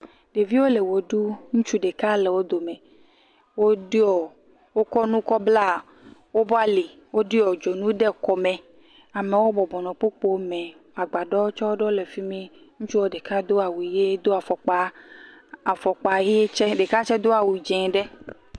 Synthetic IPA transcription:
ɖe˨vi˦wo˦le˨wo˨ɖu˦ŋũ˦t͡ʃu˦ɖe˨ka˦le˨wo˦d̪o˨mẽ˨ | wo˦ɖɔ˨ | wo˦kɔ˦nũ˦kɔ˦bla˦˨ | wo˦bɔ˦a˦li˨ | wo˦ɖi˦ɔ˨d͡ʒo˨nũ˦ɖɛ˦kɔ˨mɛ̃˨ | a˨mẽ˨wo˦bɔ˨bɔ˨nɔ̃˨k͡po˦k͡po˦mɛ̃˨ | a˨ɡ͡ba˨ɖɔ˦o˦t͡ʃɔ˦wo˦ɖɔ˦le˨fi˦mĩ˦ | ŋũ˦t͡ʃu˦wo˦ɖe˨ka˦d̪o˦a˨wu˨je˦d̪o˦a˨fɔ˨k͡pa˦ | a˨fɔ˨k͡pa˨je˦je˦t͡ʃɛ˦ɖe˨ka˦t͡ʃɛ˦d̪o˦a˨wu˨d͡ʒɛ̃˨ɖɛ˦

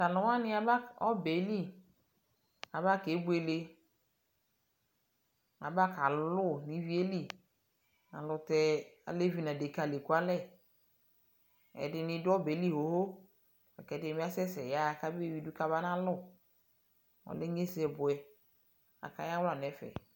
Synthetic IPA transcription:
ta˨lʊ˨˦wa˦nɪ̃˦a˦ba˦ɔ˦be˨˦li˦ | a˨ba˦ke˨˦bʊ˦e˨le˦ | a̰˨ba˦ka˨lʊ˦˨nɪ˨vi˦e˦li˦ | a̰˨lʊ˨tɛ˦a̰˨le˦vi˦˨nã˨de˨ka˨le˨ku˦a˦lɛ˦ | ɛ̰˨dɪ˨nɪ˦dʊ˦ɔ˦be˨˦li˦ɦo˨ho˦ | ɛ̰˨kɛ˨˦dɪ˨mi˦a˦sɛ˦sɛ˨ja˦˨ka˦be˦˨wi˨˦dʊ˦ka˦βa˦nã˦lʊ˦˨ | ɔ̰˨lɪ˦ɲe˦sɛ˨bʊ˨ɛ˦ | a̰˨ka˨˦ja˦wla˨n˨ɛ˨˦fɛ̰˨

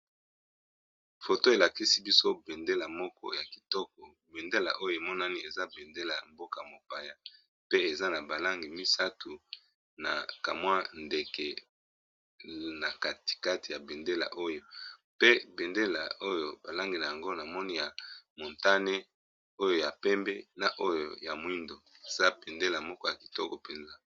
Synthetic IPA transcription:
fo˨to˦e˨la˨ki˦si˦bi˦so˦be˨nde˦la˨mɔ˦kɔ̰˦ja˨ki̥˨tɔ˦k̚ɔ˨ | be˨nde˦la̰˨ʔo˦jo˦˨e˨mɔ˦na˦ni˦e˨za˦be˨nde˦la̰˨mbo˦ka˨mo˨pa˨ja˦ | pe˦e˨za˦na˨ba˨la˦ŋɡi˨mi˦sa˦tu˨ | na˨ka˨mwa˦nde˨kɛ˨ | na˨ka˨ti̥˨ka˦ti˨ja˨be˨nde˦la̰˨ʔo˦jo˦pe˦be˨nde˦la̰˨o˦jo˨ba˨la˦ŋɡi˨na˨ja˨ŋɡo˦na˨mɔ˦ni˦ja˨mo˨nta˦ne˦ | o˦jo˦ja˨pɛ˦mbɛ˦na˨ʔo˦jo̰˨ja˨mwi˦ndo˨e˨z̥a˦be˨nde˦la˨mɔ˦kɔ˦ja˨ki˨tɔ˦kɔ˨pɛ˨nza˦

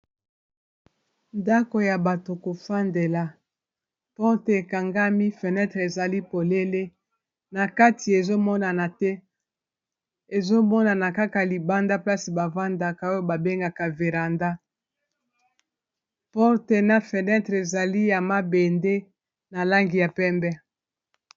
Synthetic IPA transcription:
nda˦ko˨ja˨ba˨to˨ko˨fa˦nde˨la˨ | pɔ˦ʁte˨e˨ka˨ŋɡa˦mi˦fe˨nɛ˦tʁe˨za˨li˦po˨le˦le˦ | na˨ka˦ti˨e˨zo˦mɔ˦na˨na˨tɛ˦ | e˨zo˦mɔ˦na˨na˨ka˦ka˨li˨ba˦nda˦pla˦si˨ba˨va˦nda˨ka˨o˦jo˦ba˨be˦ŋɡa˨ka˨ve˨ʁa˨nda˦ | pɔ˦ʁte˨na˨fe˨nɛ˦tʁe˨za˨li˦ja˨ma˦be˨nde˦ | na˨la˦ŋɡi˨ja˨pɛ˦mbɛ˦

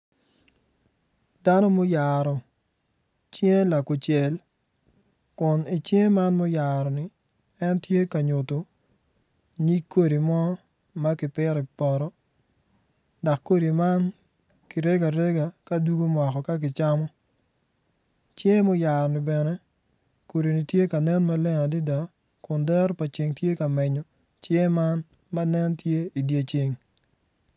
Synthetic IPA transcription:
da˦no˦mo˦ja˨ɾɔ˨ | t͡ʃe˦la˨kʊ˨t͡ʃɛ˨l | kʊ˨ni˨t͡ʃje˦ma˦nmo˦ja˨ɾɔ˨nɪ˨ | ɛ˦ntje˦ka˨ɲo˨to˨ | ɲi˦kːo˦ɾi˨mɔ˦ | ma˦kɪ˨pɪ˦ɾɔ˨pɔ˨ɾɔ˦ | da˨kːo˦ɾi˨ma˦n | kɪ˨ɾe˦ɡa˨ɾe˦ɡa˨ka˦du˦ɡo˦mwa˨kɔ˨ka˦k̬ɪ˨t͡ʃa˦mɔ˦ | t͡ʃje˦mɔ˦ja˨ɾnɪ˨bɛ˨nɛ˦ | ko˨ɾi˨ni˨tje˦ka˨nɛ˦nma˦lɛ˦ŋa˨di˦da˨ | kʊ˨ndɛ˦ɾpa˨t͡ʃe˨ŋtje˦ka˨mɛ˨ɲɔ˨ | t͡ʃjɛ˦ma˦n | ma˦nɛ˦ntje˦i˨dje˦t͡ʃe˦ŋ

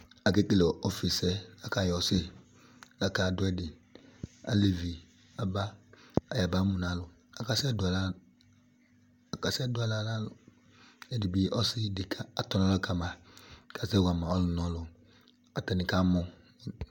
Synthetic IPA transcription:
a˨ke˦ke˦lɛ˨ɔ˨fi˨sɛ˦la˦ka˨jɔ˨sɪ˦ | la˨ka˨dʊ˦ɛ˦dɪ˨ | a̰˨le˨vi˨ | a˨ba˦a˨ja˨ba˦mu˨na˨˦lʊ˨ | a˨ka˨sɛ˦dʊ˨a˨la˦ | a˨ka˨sɛ˦dʊ˦a˨la˦la˦lʊ˨ | ɛ˨di˨bi˦ʔɔ˦sɪ˦dɪ˨kʰa˨a˨tɔ˦na˦la˦ka˨ma˨ka˨sɛ˦wa˨ma˨ɔ˦lʊ˨nɔ˦lʊ˨ | a˨tɛ˨nɪ˨ka˦mʊ˦˨

